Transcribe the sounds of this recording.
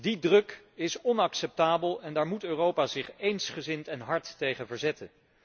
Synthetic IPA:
didrɵk | ɪsɔnɑksɛp̚taːbəlˠɛndaːɹmutøːrowpaːzɪχejnsχəzɪntɛnɦɑɹtːejχənvəɹzɛtən

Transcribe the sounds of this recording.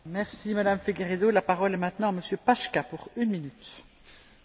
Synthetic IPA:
mɛʁsimad̪amfeɡʲeʁed̪olapaʁɔlɛmɛ̃t̪nɑ̃aməsjøpaʃkʲapuʁynminyt̪

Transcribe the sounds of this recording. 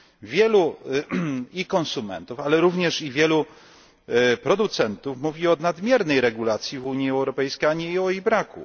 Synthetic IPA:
vʲjɛlu | ikɔ̃nsumɛ̰nt̪ufalɛɾuvɲɛʂivʲjɛlu | pɾɔd̪ut̪sɛnt̪ufmuvʲiɔnad̪mʲjɛɾnɛjɾɛɡulat̪sʲjivuɲjiɛwɾɔpɛjskʲejaɲɛiɔiɣbɾakṵ

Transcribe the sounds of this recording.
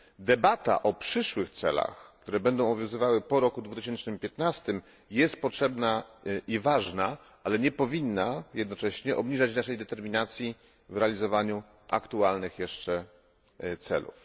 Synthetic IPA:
d̪ɛbat̪a̰ʔɔpʂɘʂwɘxt̪sɛ̰la̰xk̚t̪uɾɛbɛnd̪ɔ̃w̃bɔbvjɔ̃w̃zɘvawɘpɔɾɔkud̪vut̪ɘɕɛnt͡ʂnɘmpʲjɛt̪nast̪ɘm | jɛst̪̚pɔtʂɛbnaivaʐna | alɛɲɛpɔvʲinːajɛd̪nɔt͡ʂɛɕɲɛʔɔbɲiʐat͡ɕnaʂɛjd̪ɛt̪ɛɾmʲinat̪sʲji | vɾɛalʲizɔvaɲu | ʔa̰kt̪ualnɘxjɛʂt͡ʂɛ | t̪sɛ̰lṵf

